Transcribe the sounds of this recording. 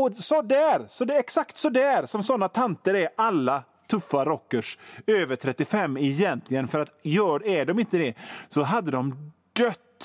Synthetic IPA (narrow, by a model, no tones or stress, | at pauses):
ɔsɔd̪æːɾsɔd̪ɛɛksakt̪sɔd̪æːɾsɔmsɔnːat̪ʰant̪əɾæɾalːa | t̪ʰɵfːaɾɔkːəʂøːvəʈʰɾɛt̪ːɪfɛmːɛjɛnt̪ʰlɪɡənfœɾat̪jœːɖæɖɔmɪnt̪əd̪ɛsɔɦad̪ːəd̪ɔmd̪̥œt̪ː